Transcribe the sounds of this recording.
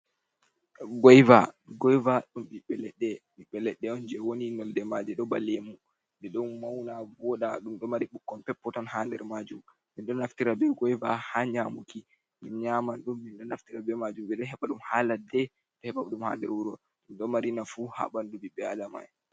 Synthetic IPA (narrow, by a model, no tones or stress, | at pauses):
ɡɔjvaɡɔjvaɗumbiɓɛlɛɗːɛmiɓɛlɛɗːɛɔnd͡ʒɛwoninɔldɛmad͡ʒɛɗɔbalemu | ndɛɗɔmawnaɔɗaɗumɗɔmaɾiɓukːɔnpɛpːɔtɔnhaːndɛɾmad͡ʒum | minɗɔnaftiɾabɛɡɔjva̰haɲamuki | minɲamanɗumːinɗɔnaftiɾabɛmad͡ʒumɓɛɗɔɦɛɓaɗumhaːladɛ | ɗɔhɛɓauɗumha̰ːndɛ̰ɾwuɾɔ | ɗumɗɔmaɾinafuha̰ɓandubiɓːɛadama̰j